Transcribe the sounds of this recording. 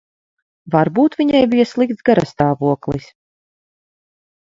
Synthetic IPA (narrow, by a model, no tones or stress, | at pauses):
vaɾbuːt̪vʲiɲajbijaslˠikt̪sɡaɾast̪aːvuɔklˠis